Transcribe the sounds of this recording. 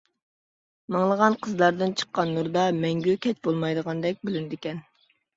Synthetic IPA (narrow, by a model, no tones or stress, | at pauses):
mɑŋlˠəʁɑnqʰəzlˠɑɾd̪ɨnt͡ʃʰə̥qːɑnːuɾd̪ɑmɛŋɡʲykʲʰɛt͡ʃbolˠmɑjd̪əʁɑnd̪ɛk̚ʲbylynd̪ɪkʲɛn